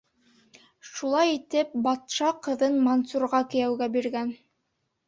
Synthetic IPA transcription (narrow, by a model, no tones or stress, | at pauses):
ʃulˠɑjit̪ɘp̚bɑt̪ʃɑqɤ̆ðɤnmonsuɾʁɑkɘ̆jæwɡæbiɾɡæn